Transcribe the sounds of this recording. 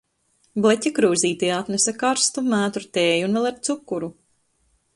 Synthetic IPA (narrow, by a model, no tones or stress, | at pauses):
blˠɛcʲakɾuːziːt̪iat̪nɛsʲakaɾst̪umæːt̪uɾt̪eːjunvɛlˠaɾt̪sukːuɾu